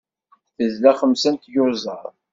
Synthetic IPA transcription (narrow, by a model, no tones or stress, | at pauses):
θəzlæχəmsænt̪jʊɾzˤə̰ɾˤ